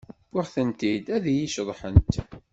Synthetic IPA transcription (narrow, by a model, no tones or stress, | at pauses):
baχθənt̪id̪æðjiʃðˤħənt̪